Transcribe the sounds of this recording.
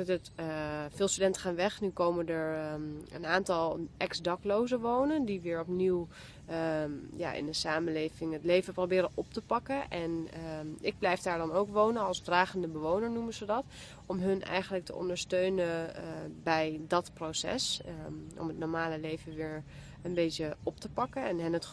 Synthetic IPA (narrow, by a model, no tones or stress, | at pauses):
tətfɪːlˠstydɛntə̥χaːnʋɛχnykowməndəɹə̰naːntɑlˠʔɛksdɑklowzəʋownəndiʋɪːɹɔpniw | ja̰ːʔɪ̰nənsaːmənlejvɪŋətlejvəprowbɪːɾənʔɔp̚təpɑkəʔɛn | ɪɡ̚blɛjfdaːɹdɑnowkʋownənɑlˠzdraːχəndəbəʋownəɹnumənzədɑt | ɔmɦɵnʔɛ̰jχənlək̚tə̰ɔ̰ndəɹstøɥnənbɛjdɑtprowsɛ̰sʔɔ̰mətnɔɹmaːləlejvəʋɪːɹ | ənbejtəɔp̚təpɑkənɛnɦənət